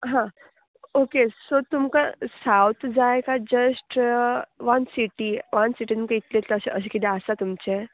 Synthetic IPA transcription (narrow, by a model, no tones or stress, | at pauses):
ɦã | okesot̪umkasawt̪ʰd͡zajkad͡ʑəsʈ | ʋɐnsiʈiʋansiʈit̪umkeit̪let̪ləəseʔəs̬ekit̪easat̪umt͡ɕe